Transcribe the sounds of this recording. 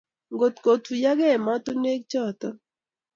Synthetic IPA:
ŋɡo˨t̪ko˨t̪u˨ja˦ɡɛ˦˨ma˦t̪o˦ne˦k̚t͡ʃɔ˦˨t̪ɔ˦

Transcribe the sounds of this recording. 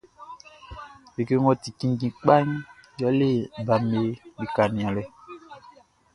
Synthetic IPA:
be˨ke˦ŋɔ̃˦ti˨kĩ˦ŋ˦ɡĩ˨k͡pa˦ɲ˦ja˨˦le˦˨ba˨me˨bi˨ka˨nĩ˨ã˨lɛ˨

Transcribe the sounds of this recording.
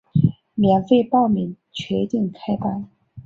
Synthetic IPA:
mjɛ˨˧˥nfe˥˧ɪpɑ˥˩ʊmi˨˩ŋ | t͡ɕʰɥɛ˧˥t̪i˥˩ŋkʰa˥ɪpa˥n

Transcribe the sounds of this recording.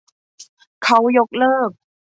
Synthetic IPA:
kʰa˦˥wjo˦˥k̚lɤː˥˩k̚

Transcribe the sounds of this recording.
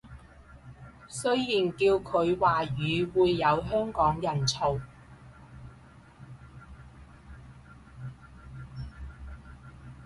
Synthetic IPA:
sɵ˥ɥjiː˨nkiː˧wkʰɵ˨˧ɥwaː˨jyː˨˧wuː˨˧jːɐ˨˧wɦœː˥ŋkɔː˨˥ŋjɐ˨˩nt͡sʰo˨˩w

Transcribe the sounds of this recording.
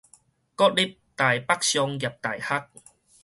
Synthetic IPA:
kɔ˦t̚li˦p̚t̪a˨˩jpa˦˥k̚ɕjɔ˧ŋɡja˨˩p̚t̪a˨˩jha˦k̚

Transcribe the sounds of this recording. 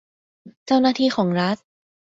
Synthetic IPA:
t͡ɕa˥˩wnaː˥˩t̪ʰiː˥˩xʰɔː˩˦ŋɾa˦˥t̪̚

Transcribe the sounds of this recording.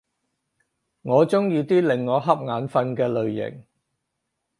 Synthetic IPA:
ŋɔː˨˧t͡sʊ˥ŋjiː˧t̪iː˥lɪ˨ŋːɔː˨˧ɦɐ˥p̚ŋaː˨˧nfɐ˧nkɛː˧lɵ˨ɥjɪ̰˨˩ŋ

